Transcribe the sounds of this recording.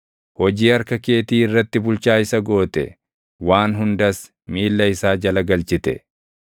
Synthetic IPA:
hɔd͡ʒiːɐɾkɐkeːt̪iːɪrːɐt̪ːɪbʊlt͡ʃaːɪsɐɡo̞ːt̪ɛ̰ | waːnɦʊnd̪ɐs | miːlːɐɪsaːd͡ʒɐlɐɡɐlt͡ʃɪt̪ɛ̰

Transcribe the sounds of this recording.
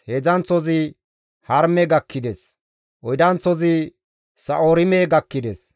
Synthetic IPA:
hezɐnt͡sɔzɪ | hɐɾmɛɡɐkːɪd̪ɛs | ʔɔjd̪ɐnt͡sɔzɪ | sɐʔoːɾɪmeɡɐkːɪd̪ɛs

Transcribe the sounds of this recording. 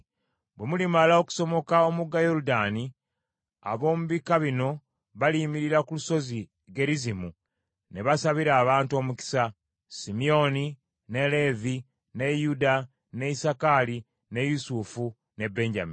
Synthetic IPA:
bwe̞mulimalao̞ku̥so̞mo̞kao̞muɡajo̞ɾudani | a̰βo̞ːmuβikaβino̞ | βalimiɾiɾakuluso̞zi | ɡe̞ɾizimu | ne̞βasaβiɾaːβaːntuo̞ːmuki̥sa | simijo̞ni | ne̞le̞vi | ne̞juda | ne̞isakali | ne̞jusufu | ne̞bːe̞ːɲɟa̰mi

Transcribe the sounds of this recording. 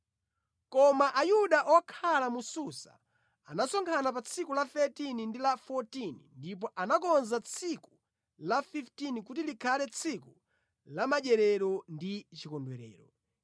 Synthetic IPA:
kɔmaʔajuɗaʔɔkʰalamususa̰ | anasɔŋkʰanapat͡sʰikulafɛtinindilafɔtinḭndip̬ɔʔanak̬ɔnzat͡sʰiku̥ | lafiftinikutilikʰalɛt͡sʰiku | lamaʄɛɾɛɾɔndit͡ʃikɔndwɛɾɛ̰ːɾɔ

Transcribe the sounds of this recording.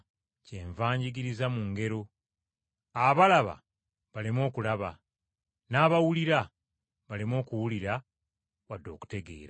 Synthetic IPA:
ce̞ːɱvaːɲɟiɡiɾizamuŋɡe̞ɾo̞ | aβalaβa̰ | βalimo̞ːkulaβa̰ | naːβawuliɾa | βalimo̞ːkuwuliɾa | βadːo̞ːku̥te̞ɡe̞̰ːɾa

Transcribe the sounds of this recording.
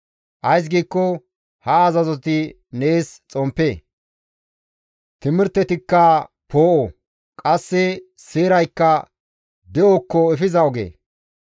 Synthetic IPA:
ʔɐjs̬ɡiːkːɔ | hɐːzɐzɔt̪ɪ | neːst͡sʼɔmpːeː | t̪ɪmɪɾt̪ːɛt̪ɪkːɐ | poːʔɔ | kʼɐsːɛ | seːɾɐjkːɐ | d̪ɛɔkːɔɛfɪzɐɔɡḛː

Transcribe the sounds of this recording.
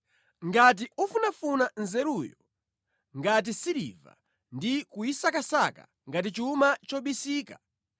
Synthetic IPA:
ŋɡat̬iufunafunanzɛɾujɔ | ŋɡat̬isiɾḭva̰ | ndikuisakasaka̰ | ŋɡat̬it͡ʃiumat͡ʃɔɓisiːkḁ

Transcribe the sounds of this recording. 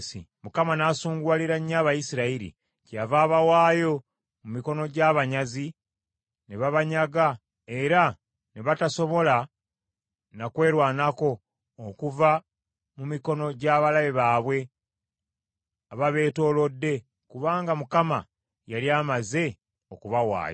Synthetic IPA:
sḭmukamanaːsuːŋɡwaliɾaɲːaβajisiɾaiɾḭ | cavaːβawaːjo̞ | mumiko̞no̞ɟaːβaɲazi | neβaβaɲaɡa | e̞ɾa | neβataso̞βo̞la | nakwe̞ːɾwaːnako̞ː | kuva | mumiko̞no̞ɟaːβalaβeβaːβwe̞ | aβaβe̞ːto̞ːlo̞dːe̞ | kuβaːŋɡamukama̰ | jaliaːmaze̞ | okuβawa̰ːjo

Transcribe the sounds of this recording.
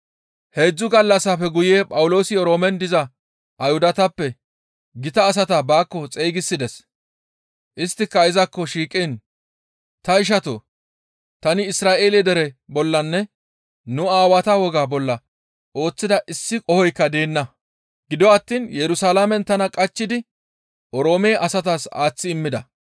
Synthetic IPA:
he̞ːd͡zːʊɡɐlːɐsːɐfɛɡʊjeːpʼɐwʊlo̞ːsɪjɔɾo̞ːmɛnd̪ɪzɐ | ʔɐjhʊd̪ɐt̪ɐpːɛ | ɡɪt̪ɐːs̬ɐt̪ɐbaːkːɔt͡sʼejɡɪsːɪd̪ɛs | ʔɪst̪ːɪkːɐɪzɐkːɔʃiːkʼːɪn | t̪ɐɪʃ̬ɐt̪o̰ | t̪ɐnɪɪsɾaːʔe̞ːlɛd̪ɛɾɛbɔlːɐnːɛ | nʊaːwɐt̪ɐwɔɡaːbɔlːɐ | ʔo̞ːt͡sːɪd̪ɐʔɪsːɪkʼɔhɔjkːɐd̪e̞ːnːɐ | ɡ̥ɪd̪ɔɐt̪ːiːnjɛɾʊsaːlamɛnt̪ɐnɐkʼɐt͡ʃːɪd̪ɪ | ʔɔɾo̞ːmeːʔɐsɐt̪aːsa̰ːt͡sːɪːmːɪd̪ɐ

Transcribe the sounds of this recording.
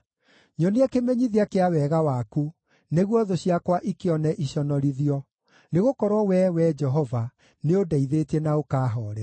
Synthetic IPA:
ɲɔneɛkemeɲiðiakeawɛɣawaku | neɣwɔðoɕiakwaʔikeɔnɛʔiɕɔnɔɾiðiɔ | neɣokɔɾwɔwɛwɛd͡ʒɛɦɔva | neodaiðetɛnaokaːɦɔːɾɛ

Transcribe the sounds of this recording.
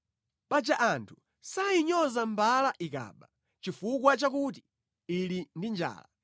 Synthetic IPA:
pad͡ʒaʔantʰu̥ | sajiɲɔzambalaʔika̰ːɓa | t͡ʃifuk̬wat͡ʃakut̬i̥ | ilindind͡ʒa̰ːla̰

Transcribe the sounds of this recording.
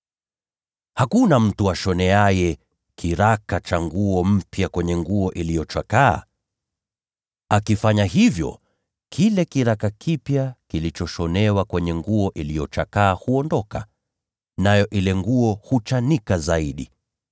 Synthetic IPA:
hakunam̩tuaʃɔnɛajɛ | kʰiɾakat͡ʃaŋɡuɔm̩pjakwɛɲɛŋɡuɔʔilijɔt͡ʃaka̰ː | akifaɲaɦivjɔ̰ | kʰilɛkiɾakakʰipjakilit͡ʃɔʃɔnɛwakwɛɲɛŋɡuɔʔilijɔt͡ʃakaːhuɔndɔka | najɔʔilɛŋɡuɔhut͡ʃanikazaiɗi

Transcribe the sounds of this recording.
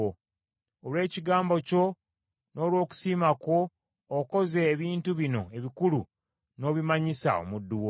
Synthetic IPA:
o | olwe̞ːciɡaːmbo̞co̞ | no̞ːlwo̞ːku̥siːmako̞ː | ko̞ze̞ːβiːntuβino̞e̞βikulu | no̞ːβimaɲisa̰o̰mudːuwo

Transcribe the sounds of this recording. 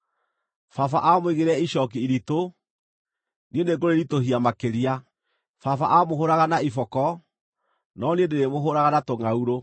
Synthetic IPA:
fafa̰ʔamweɣeɾɛiɕɔkiiɾito | niendeɡoɾeɾitohiamakeɾia | fafa̰ʔamoɦoɾaɣanaifɔkɔ | nɔniendeɾemoɦoɾaɣanatoŋauɾo

